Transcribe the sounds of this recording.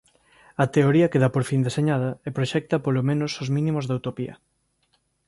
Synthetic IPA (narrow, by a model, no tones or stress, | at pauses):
ɐt̪eoɾiɐkeðɐpoɾfind̪eseɲaðɐepɾoʃɛk̚t̪ɐpolomẽnosozmĩnĩmozðawt̪opiɐ̰